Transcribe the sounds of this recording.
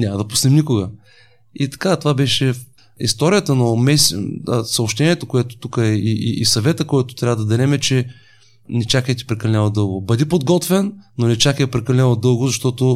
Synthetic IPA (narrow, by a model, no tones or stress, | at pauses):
nʲamɐd̪ɐpu̥snɛmnʲikʊɡə | it̪ɐ̥kat̪ovabɛʃɛ | ḭst̪ɔɾijət̪ənomɛsəsɐopʃt̪ɛnʲiɛt̪okoɛt̪o̥t̪ukəɛiiisɐvɛt̪əkoɛt̪ʊ̥t̪ɾʲavəd̪ɐd̪ɛlɛmɛt͡ʃɛ | nɛt͡ʃakəjɛt̪i̥pɾɛkɐlɛnɛləd̪ɤlˠɡobɐd̪ipod̪ɡɔt̪vɛnːonɛt͡ʃakəjɛpɾɛkɐlʲɛnɛlˠəd̪ɤlˠɡʊzɐʃt̪ɔt̪o